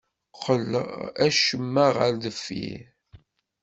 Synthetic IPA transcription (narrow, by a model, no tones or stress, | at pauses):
χələ̰ʁæʃəmːəʁəɾðəfːḭ